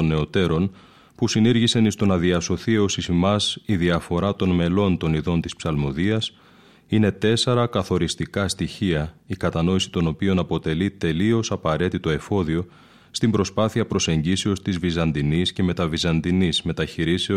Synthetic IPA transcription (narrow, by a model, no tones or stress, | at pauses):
onːe̞o̞t̪e̞ɾo̞n | pusiniɾʝise̞nist̪o̞nɐðiɐso̞θieo̞sisimɐsiðiɐfo̞ɾɐt̪o̞nme̞lo̞nt̪o̞niðo̞nt̪ispsɐlmo̞ðiɐs | ine̞t̪e̞se̞ɾɐkɐθo̞ɾist̪ikɐst̪içiɐikɐt̪ɐno̞isi̥t̪o̞no̞pio̞nɐpo̞t̪e̞lit̪e̞lio̞sɐpɐɾe̞t̪it̪o̞e̞fo̞ðio̞ | st̪imbɾo̞spɐθiɐpɾo̞se̞ɲɟise̞o̞st̪izvizɐnd̪inisce̞me̞t̪ɐvizɐnd̪inizme̞t̪ɐçiɾiseo